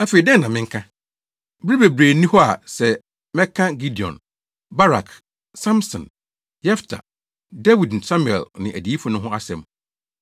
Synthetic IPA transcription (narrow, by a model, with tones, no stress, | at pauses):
æ˦fe˨i˨dɛ˦nːã˨mɪ̃˦ŋ̩˦kʰã˦ | bɾi˦be˨bɾeː˨nĩ˦hɔ˦a̰˨sɛ˨ | mɛ̃˦kʰã˦ɡi˦di˨ɔ̰̃˨n | ba˦ɾa̰˨k | sã˦msɔ̰̃˨n | jɛ˦ftʰa̰˨ | dɛ˦wi˨dn̩˨sã˦mu˨ɛ̰˨lnɪ̰̃˨ʔæ̰˨di˨˦i˦fʊ̃˨nʊ̃˦ɦʊ̃˦a˦sɛ̰̃˨m